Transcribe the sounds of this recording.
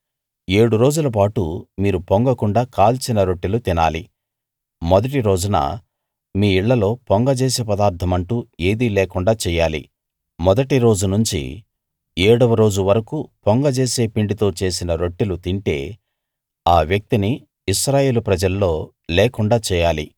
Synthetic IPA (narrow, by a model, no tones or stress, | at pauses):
e̞ːɽuɾo̞ːd͡ʒulɐp̬aːʈṵmiːɾupoŋɡɐkuɳɖaːkaːlt͡ʃinɐɾo̞ʈːilut̪ina̰ːlḭ | mɔd̪ɐʈiɾo̞ːd͡ʒunɐ̰ | miːiɭːɐlo̞ːpoŋɡɐt͡ʃeːseːpɐd̪aːɾt̪ʰːɐmɐɳʈuːeːd̪ilɛːkuɳɖaːt͡ʃɛːjaːlḭ | mɔd̪ɐʈiɾo̞ːd͡ʒunuɲt͡ʃḭ | eːɽɐʋɐɾo̞ːd͡ʒuʋɐɾɐkupoŋɡɐt͡ʃe̞ːse̞ːpiɳɖit̪o̞ːt͡ʃe̞ːs̬inɐɾo̞ʈːilut̪iɳʈe̞ː | aːʋjɐk̚t̪iniː | ʃɾaːje̞ːlupɾɐd͡ʒɐlːo̞ː | lɛːkuɳɖaːt͡ʃɛːjaːlḭ